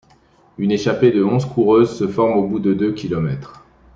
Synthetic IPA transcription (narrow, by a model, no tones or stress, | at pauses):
yneʃaped̪əɔ̃zkʰuʁøzsəfɔʁmobud̪əd̪økʲilɔmɛt̪χ